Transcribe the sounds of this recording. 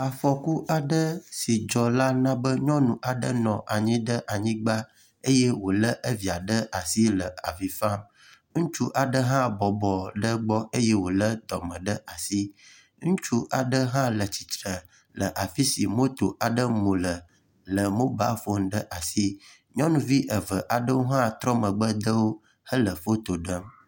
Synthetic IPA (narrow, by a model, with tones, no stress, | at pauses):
a˨fɔ˨ku˦ʔa˨ɖə˦si˨d͡ʒɔ˨la˦nã˦bə˦ɲɔ̃˦nũ˨ʔa˨ɖə̰˦nɔ̃˨ʔa˨ɲĩ˦ɖə˦ʔa˨ɲĩ˦ɡ͡ba˦ | e˦je˦wo˨lə˦ʔə˦vi˨a˨ɖə˦ʔa˨si˦lə˨a˨vi˨fa˦m | ŋũ˦t͡ʃu˦ʔa˨ɖə˦ɦã˦bɔ˨bɔ˨ɖə˦ɡ͡bɔ˦e˦jɛ˦wo˨lə˦t̪ɔ˨mə̃˨ɖə˦ʔa˨si˦ | ŋũ˦t͡ʃu˦ʔa˨ɖə˦ɦã˦lə˨t͡ɕi˨t̪ɾə˨ | lə˨ʔa˨fi˦si˨mo˦t̪o˨ʔa˨ɖə˦mũ˨lə˨ | lə˨mõ˦ba̰˦fo˦ŋ˦ɖə˦ʔa˨si˦ | ɲɔ̃˦nũ˦vi˦ʔə˨və˨ʔa˨ɖə˦wo˦ɦã˦t̪ɾɔ˦mə̃˨ɡ͡bə˦d̪ə˦wo˦ | hə˦lə˨fo˦t̪o˨ɖə˦m